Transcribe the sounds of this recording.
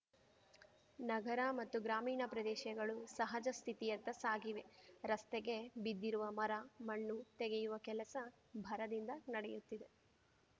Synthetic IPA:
nɐɡɐɾɐmɐt̪ːuɡɾaːmiːɳɐpɾɐd̪ɛːʃjɐɡɐɭusɐɦɐd͡ʒɐst̪ʰit̪ijɐt̪ːɐsaːɡiʋe̞ɾɐst̪eɡe̞bid̪ːiɾuʋɐmɐɾɐmɐɳːut̪ɛɡejuʋɐkɛlɐsɐ | bʱɐɾɐd̪ind̪ɐnɐɽɛjut̪ːid̪e̞

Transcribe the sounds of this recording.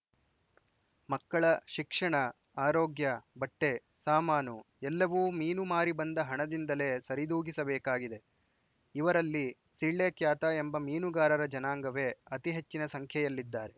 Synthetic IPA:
mɐkːɐɭɐʃikʂɐɳɐ | aːɾoːɡjɐbɐʈːe̞ | saːmaːnu | ɛlːɐʋuːmiːnumaːɾibɐnd̪ɐɦɐɳɐd̪ind̪ɐle̞ːsɐɾid̪uːɡisɐbɛːkaːɡid̪e̞ | iʋɐɾɐlːi | siɭːekjaːt̪ɐembɐmiːnuɡaːɾɐɾɐd͡ʒɐnaːŋɡɐʋe̞ːɐt̪iɦet͡ʃːinɐsɐŋkʰjɐjɐlːid̪ːaːɾe̞

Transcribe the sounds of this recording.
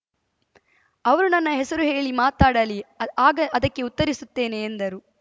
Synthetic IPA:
ɐʋɐɾunɐnːɐɦesɐɾuɦe̞ːɭimaːt̪aːɽɐliaːɡɐʔɐd̪ɐkːe̞ut̪ːɐɾisut̪ːe̞ːne̞ːnd̪ɐɾu

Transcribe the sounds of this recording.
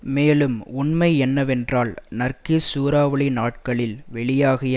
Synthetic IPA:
meːlɯmʊɳmɐɪɛnːɐʋɛndraːɭnɐɾkisuːɾaːʋɐɭɪnaːʈ̚kɐɭɪlʋɛɭɪjaːɣɐj

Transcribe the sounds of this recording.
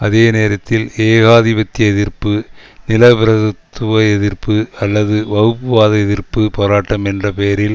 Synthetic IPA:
ɐðeːneːɾɐt̪ːɪleːɣaːðibɐt̪ːɪjɐɛðɪrpɯnɪlɐpɪɾɐðɯt̪ːɯʋɐɛðɪɾpɯɐlːɐðɯʋɐɣɯpːɯʋaːðɐɛðɪɾpɯpoːɾaːʈːɐmɛndrɐpejɐɾɪl

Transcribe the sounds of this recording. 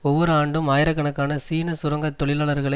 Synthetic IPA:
ɔʋːɔɾɯaːɳɖɯmaːjɪɾɐkːɐɳɐkːaːnɐsiːnɐsʊɾɐŋɡɐt̪ːɔɭɪlaːɭɐɾɣɐɭɐ

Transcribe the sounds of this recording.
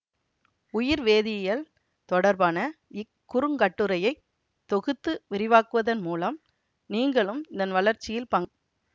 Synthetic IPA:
ʊjɪɾʋeːðɪjɐl | t̪ɔɽɐɾbaːnɐɪkːʊɾɯŋɡɐʈːɯɾɐjɐɪ | t̪ːɔɣɯt̪ːɯʋɪɾɪʋaːkɯʋɐðɐnmuːlɐm | niːŋɡɐɭɯmɪðɐnʋɐɭɐɾt͡ʃːɪjɪlpɐŋɡ

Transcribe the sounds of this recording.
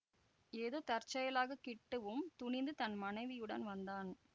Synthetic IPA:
eːðoːt̪ɐɾt͡ʃːɐjɐlaːɣɐkɪʈːɯʋɯmt̪ʊɳɪnd̪ɯt̪ɐnmɐnɐɪʋɪjɯɽɐnʋɐnd̪aːn

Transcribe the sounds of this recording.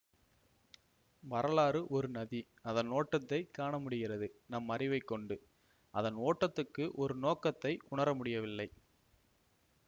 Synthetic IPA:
ʋɐɾɐlaːɾɯʔɔɾɯnɐði | ɐðɐnoːʈːɐt̪ːɐɪkːaːɳɐmʊɽɪɣɪrɐðɯnɐmːɐɾɪʋɐɪkːɔɳɖɯ | ʔɐðɐnoːʈːɐt̪ːɯkːɯʔɔɾɯnoːkɐt̪ːɐɪʔʊɳɐɾɐmʊɽɪjɐʋɪlːɐɪ

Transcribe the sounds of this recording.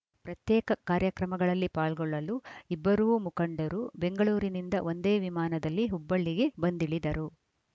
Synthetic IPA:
pɾɐt̪jɛːkɐkaːɾjɐkɾɐmɐɡɐɭɐlːipaːɭɡɔɭːɐluibːɐɾuʋumukɐɳɖɐɾube̞ŋɡɐɭuːɾinind̪ɐʔo̞nd̪e̞ːʋimaːnɐd̪ɐlːiɦubːɐɭːiɡe̞bɐnd̪iɭid̪ɐɾu

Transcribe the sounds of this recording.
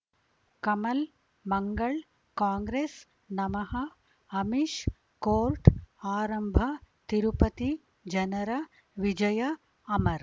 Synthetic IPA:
kɐmɐl | mɐŋɡɐɭ | kaːŋɡɾeːs | nɐmɐɦɐ | ɐmiʃ | koːlʈaːɾɐmbʱɐt̪iɾupɐt̪i | d͡ʒɐnɐɾɐ | ʋid͡ʒɐjɐ | ɐmɐɾ

